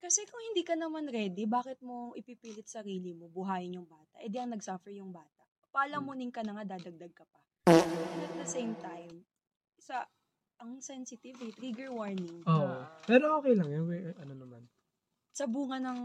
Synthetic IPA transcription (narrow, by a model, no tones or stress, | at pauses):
kɐsɛkʊŋhɪnd̪iːkɐnɐmanɾɛːd̪ibaːkɪt̪̚moŋʔɪpipiːlɪt̪̚sɐɾiːlɪmo̞bʊɦaːjɪnjʊŋbaːt̪ɐ̰ʔɛnd̪iʔɐŋnɐɡsoːfɛɹjʊŋbaːt̪ɐʔ | pɐʔɐlɐmonɪŋkɐnɐŋad̪aːd̪ɐɡ̚d̪ɐɡ̚kɐpɐ | ɐt̪̚d̪ɐsejmt̪ajm | sɐ | ɐŋsɛnsɪt̪ɪvit̪ɾiɡɛɹwaɹnɪŋoʔopɛːɾoʔoːkɛjlɐŋjoɛʔɐnonɐman | sɐbuːŋɐnɐŋ